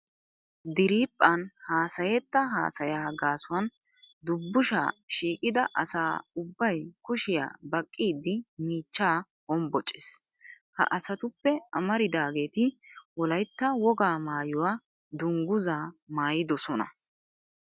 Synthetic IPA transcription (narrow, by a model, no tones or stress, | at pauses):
d̪ɪɾiːpʼːɐnhaːsɐjɛt̪ːɐɦa̰ːsɐjaːɡaːsʊwɐn | d̪ʊbːʊʃa̰ːʃiːkʼɪd̪ɐʔɐsaːʊbːɐjkʊʃɪja̰ːbɐkʼːiːd̪ːɪmiːt͡ʃːaː | hɔmbɔt͡ʃʼːɪs | hɐ̰ʔɐsɐt̪ʊpːɛɐmɐɾɪd̪aːɡe̞ːt̪ɪwɔlɐjt̪ːɐwɔɡaːmaːjʊwaː | d̪ʊŋɡʊzaːmaːjɪd̪ɔsɔnɐ̰